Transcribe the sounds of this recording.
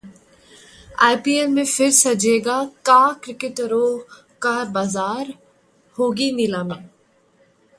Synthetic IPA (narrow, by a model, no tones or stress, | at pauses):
aːjpiːelmẽfʰɪɾsɐd͡ʒeːɡaːkaːkɾɪkɪʈɾoː | kaːɾbaːzaːɾ | hoːɡinɪlaːmẽː